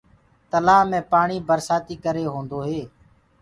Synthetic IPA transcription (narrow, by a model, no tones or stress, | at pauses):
t̪əlaːmẽːpaːɳiːbəɾsaːt̪iːkəɾeːɦõːnd̪oːɦeː